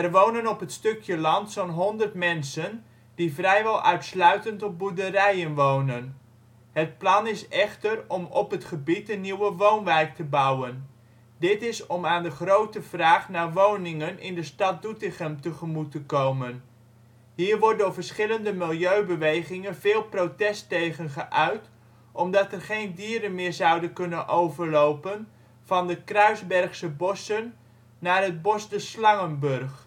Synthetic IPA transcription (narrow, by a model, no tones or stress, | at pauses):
ɛrʋownənɔpɦətstɵkjəlɑntsonɦɔndərtmɛnsən | d̥ivrɛjʋɛlˠʔœɥtslœɥtəntɔb̚buɹdərɛjənʋownən | ɦət̚plɑnɪsɛχtərɔmɔpɦətχəbitənːiwəʋownʋɛjk̚təbɑwən | dɪtɪsɔmaːndəχrowtəv̥raːχnaːɹʋownɪŋənɪndəstɑt̚dutɪχəmtəχəmutəkowmən | ɦiːɹʋɔɹtdʊːɹvəɹsχɪləndəmɪlˠjøɥbəʋejχɪŋənvɪːlˠprowtɛstejχənχəʔœɥt | ʔɔmdɑtɛrχejndiːɾənmɪːɹzɑwdənkɵnənʔowvəɹlowpən | v̥ɑndəkrœɥzbɛrχsəbɔsənː | aːrɦəd̚bɔsdəslɑŋənbɵrχ